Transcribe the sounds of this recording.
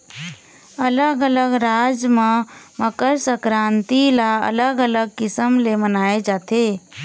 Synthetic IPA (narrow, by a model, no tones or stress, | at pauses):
ələɡələɡɾad͡ʒmeməkəɾsəkɾant̪ilaə̰ləɡələɡ̚kisəmlemənaed͡ʒat̪e